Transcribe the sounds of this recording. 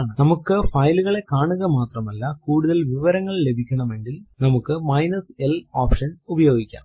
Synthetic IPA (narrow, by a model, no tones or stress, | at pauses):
ɳɨnɐmukːɨfɐjluɣɐɭe̞kaːɳuɣɐmaːt̪rɐmɐlːɐkuːɽuðɐlʋiʋɐɾɐŋːɐɭle̞bʱikʲːɐɳɐme̞ŋɡilnɐmukːɨmɐjnɐseloːpʂɐnubɐjo̞ːɡikʲːa̰ːm